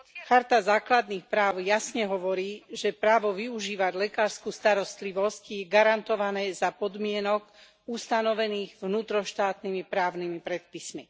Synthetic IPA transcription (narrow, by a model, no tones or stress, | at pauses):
xaɾt̪azaːklad̪niːxpɾaːʊjasɲɛɦɔʋɔɾiːʒɛpɾaːʋɔʋiuʒiːʋaɟlɛkaːɾskuːst̪aɾɔst̪liʋɔscjɛɡaɾant̪ɔʋanɛːzapɔd̪mɪɛnɔk | ust̪anɔʋɛniːɣʋnuːt̪ɾɔʃt̪aːt̪nimipɾaːʊnimipɾɛt̪̚pismi